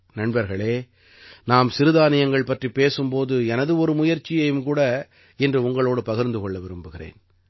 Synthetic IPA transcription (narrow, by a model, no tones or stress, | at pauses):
nɐɳbɐɾɣɐɭeː | naːmsɪɾɯðaːnɪjɐŋɡɐɭpɐʈripːeːsɯmpoːðɯɛnɐðɯɔɾɯmʊjɐɾt͡ʃːɪjɐjɯmkuːɽɐ | ɛndrɯʊŋɡɐɭoːɽɯpɐɣɐɾnd̪ɯkɔɭːɐʋɪɾɯmbɯɣɪrḛːn